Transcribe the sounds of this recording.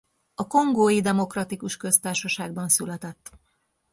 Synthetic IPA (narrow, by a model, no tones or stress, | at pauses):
ɒko̞ŋɡoːjid̪ɛmo̞krɒt̪ikuʃkø̞st̪aːrʃɒʃaːɡbɒnsylɛt̪ɛt̪ː